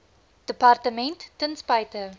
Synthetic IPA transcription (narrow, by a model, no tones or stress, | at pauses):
d̥əpɑrtəmɛntːənspɐjtə